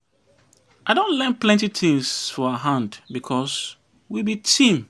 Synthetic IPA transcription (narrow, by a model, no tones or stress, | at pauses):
ʔaɪdõnlɛ̃nplɛ̃ntit̪ʰɪ̃ŋsfɔaɦãndbikʰɔs | wibitʰĩm